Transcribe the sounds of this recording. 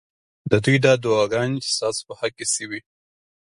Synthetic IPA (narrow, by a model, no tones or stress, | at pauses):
d̪əd̪ujd̪ɑd̪uɑɡɑnt͡ʃe̥st̪ɑso̥pəhakːesəwi